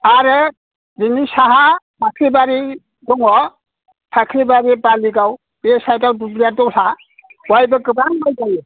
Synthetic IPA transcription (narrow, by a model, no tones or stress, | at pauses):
aɾɯ | zinisaɦapʰakʰɾibaɾi | dɔŋɔ | pʰakʰɾibaɾipaliɡaw | besajtawdublijatɔwɬa | wajbɯkɯbaŋmajɡaj